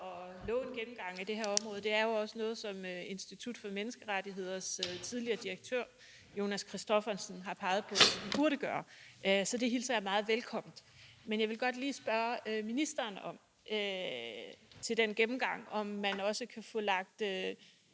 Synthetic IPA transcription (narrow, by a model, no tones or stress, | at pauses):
ɒ̽lɔ̰̽ːe̝nɡ̥emm̩ɡ̥ɑ̈ŋ̰æd̥e̝ɦe̝ɐɒ̽mʁɔ̽ːð̩ˠd̥e̝æɐjo̝ɒ̽sənɔ̽ːð̞̩ˠsɒ̽møe̝nsd̥it͡sʰud̥fɒ̽menəsɡ̥əʁadiɦe̝ð̞̰ˠɐst͡sʰið̞ˠliɐːd̥iʁeɡ̥̚t͡sʰøɐ̰ | jo̝ːnæskʰʁisd̥ɒfɐnsn̩ɦɑ̈pʰɑ̈ɪð̞̩ˠpʰɔ̽sm̥b̥uɐɾ̥əɡ̥ɶːɐʔsɒ̽d̥e̝ɦilsɐjɑmɑ̈ːð̩ˠʋelkʰɒ̽m̰n̩̥ˠ | menjɑ̈ɪʋelɡ̥ɒ̽d̥liːsb̥ɶɐminisd̥ɐːnɒ̽m̰ | ø | t͡sʰe̝ld̥enɡ̥emm̩ɡ̥ɑ̈ŋ̰ɒ̽mːænɒ̽səkʰæfɔ̽lɑ̈ɡ̥̚d̥ø